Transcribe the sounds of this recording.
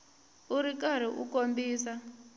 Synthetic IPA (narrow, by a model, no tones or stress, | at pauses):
uɾikaɾ̤iʔṵkombiːsa